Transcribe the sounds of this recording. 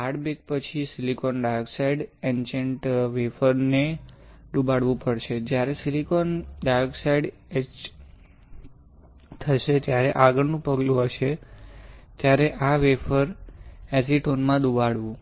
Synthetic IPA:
aɽbek̚pət͡ʃʰisilikonɖaɾksaiɖent͡ʃəɳʈʋefəɾned̪ubaɽʋũpəɽʃed͡ʒjaɾesilikonɖaɾksaiɖ | et͡ʃ | t̪ʰəʃet̪jaɾeʔaɡəɽnũpəɡlũɦəʃe | t̪jaɾeʔaʋefəɾɛsiʈonmãd̪ubaɽʋũ

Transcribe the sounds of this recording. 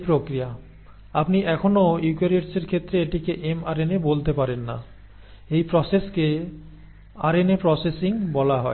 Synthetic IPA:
pɾokɾija | apniʔɛkʰonojukaɾeʈseɾkʰet̪ːɾeeʈikeʔemaɾenebolt̪epaɾenːa̰ | ejpɾɔseske | aɾenepɾɔsesiŋbɔlaɦɔe

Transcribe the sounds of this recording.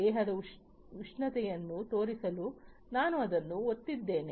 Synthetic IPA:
ɛːɦɐd̪ɐ | ʋuʂɳɐt̪ɛjɐnːut̪o̞ːɾisɐlu | naːnuɐd̪ɐnːuot̪ːid̪ːe̞ːne

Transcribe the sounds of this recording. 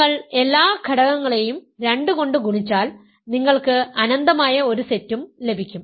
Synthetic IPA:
ɐɭe̞lːaːkʰɐɽɐɣɐŋːɐɭe̞jumɾe̞ɳɖɨko̞ɳɖɨɡuɳit͡ɕːaːl | niŋːɐɭkɨɐnɐnd̪ɐmaːjɐo̞ɾusetːumle̞bʱikʲːum

